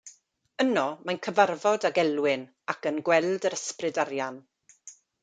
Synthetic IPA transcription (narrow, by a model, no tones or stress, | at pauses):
ənɔmajnkʰəvarvɔdaɡɛlwɪn | akənɡwɛlˠdəɾəsprɪdarjan